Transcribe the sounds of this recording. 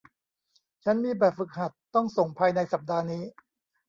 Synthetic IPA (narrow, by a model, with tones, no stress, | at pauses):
t͡ɕʰa˦˥nmiː˧bɛː˨˩p̚fɯ˨˩k̚ha˨˩t̪ːɔ˥˩ŋso˨˩ŋpʰaː˧jna˧jsa˨˩p̚daː˧niː˦˥